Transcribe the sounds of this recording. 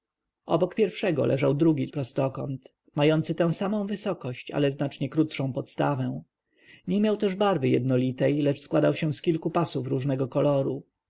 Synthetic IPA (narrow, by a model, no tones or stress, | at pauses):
ʔɔbɔkpʲjɛɾfʂɛɡɔ̰lʔɛ̰ʐawd̪ɾuɡʲipɾɔst̪ɔkɔ̰nt̪ | majɔnt̪sɘt̪ɛ̃w̃samɔ̃w̃vɘsɔkɔɕt͡ɕa̰lɛznat͡ʂɲɛkɾut̪ʂɔ̃w̃pɔt̪st̪a̰vɛ̃ | ɲɛmʲjawt̪ɛʐbaɾvɘjɛd̪nɔlʲit̪ɛjlɛt͡ʂskwad̪awɕɛ̃skʲilkupasufɾuʐnɛɡɔkɔlɔɾu